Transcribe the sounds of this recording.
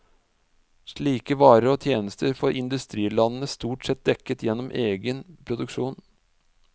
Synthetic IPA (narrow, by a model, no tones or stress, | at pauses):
ʂɭiːkəʋɑːɾəɾɔt̪ʰjeːnəst̪ʰəɾfɔɾʔɪnd̪ʉst̪ɾiːlɑnən̩əst̪uːʈsɛt̪̚d̪ɛkːət̪jɛnːɔmʔeːɡənpʰɾʊd̪ʉkʂuːn